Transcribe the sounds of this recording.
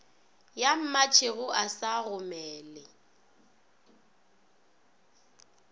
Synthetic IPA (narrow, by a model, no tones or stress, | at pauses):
jam̩mat͡ʃʰeɣʊʔasaɣʊmɛːlɪ